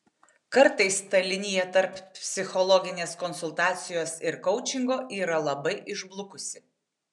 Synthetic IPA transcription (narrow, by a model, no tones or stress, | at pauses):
kɐɾt̪ɐɪst̪ɐlʲɪnʲɪjɛt̪ɐɾppʲpʲsʲɪxɔlˠɔɡʲɪnʲeːskɔnsʊlˠt̪ɑːt̪sʲɪjoːsɪɾkɔʊt͡ʃʲɪŋɡoːʔiːɾɐlˠɐbɐɪʔɪʒblˠʊkʊsʲɪ